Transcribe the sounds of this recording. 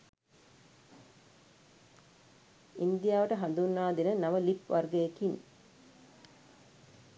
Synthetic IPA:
ind̪ijaːʋəʈəɦand̪unːaːd̪enənaməlipʋarɡeekin

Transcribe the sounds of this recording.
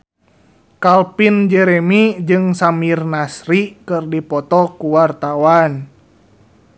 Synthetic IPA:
kalpind͡ʒɛɾɛmid͡ʒɨŋsamirnasɾikɨrdipɔt̪ɔkuwart̪awan

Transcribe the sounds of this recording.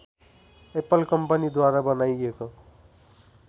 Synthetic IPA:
epʌlkʌmpʌnid̪waɾabʌnajeko

